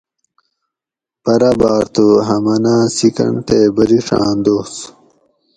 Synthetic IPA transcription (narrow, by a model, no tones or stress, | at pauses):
pɐɾabaːɾt̪ʰoɦɐmɐnãːsikɐ̰ɳʈ̪ebɐɾiʂa̰ːnd̪oːs